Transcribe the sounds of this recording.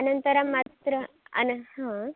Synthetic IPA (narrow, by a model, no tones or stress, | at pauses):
ɐnənt̪əɾamat̪ɾə | ɐ̰nhã